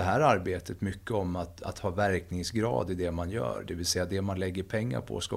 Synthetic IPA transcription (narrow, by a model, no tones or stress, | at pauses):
ɛɦæːɾaɾbeːt̪ʰət̪mʏkːəɔmːat̪a̰t̪hɑːvæɾknɪŋsɡɾɑ̰ːd̪ɪd̪ɛmanjœ̰ːɾɖ̪ɛvɪlsɛjːad̪ɛmanlɛɡːəɾpʰɛŋːa̰ɾpʰɔ̰ska̰